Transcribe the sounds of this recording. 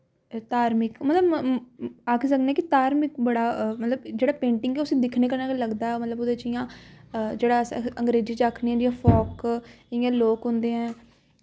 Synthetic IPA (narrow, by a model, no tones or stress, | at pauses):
t̪aːɾmɪkmət̪ləb | aːkʰisəknɛːkit̪aːɾmɪkbəɽaːmət̪ləbd͡ʒeːɽaːpẽːɳʈɪŋɡeʊsĩːd̪ɪkʰneːkəɾnaːkləɡd̪aːɦɛmət̪ləbʊd̪eːt͡ʃɪjãːd͡ʒeːɽaːsə̃ŋɡɾeːziːt͡ʃaːkʰniɛ̃ːd͡ʒiãːfʰɔːk | ɪjãːloːkɦʊ̃nd̪eːɛ̃ː